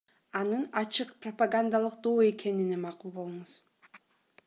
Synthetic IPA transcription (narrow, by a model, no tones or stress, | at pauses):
ɑnɯnɑt͡ʃɯqpropaɡand̪alˠɯq̚d̪oːe̞ke̞ninemɑqulˠbo̞lˠuɴuz̥